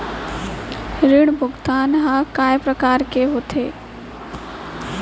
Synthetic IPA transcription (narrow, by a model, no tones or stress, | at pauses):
ɾɪɽbʱʊɡt̪aːnɦãkaːjpɾəkaːɾkeɦoːt̪ʰeː